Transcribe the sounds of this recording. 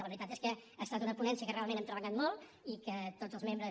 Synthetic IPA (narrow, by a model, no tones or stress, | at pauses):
ləβɾit̪at̪eskəəst̪at̪unəpunɛnsiəkərealmenɛmt̪ɾəβəʎat̪molˠ | ikət̪ozəlˠzmembɾə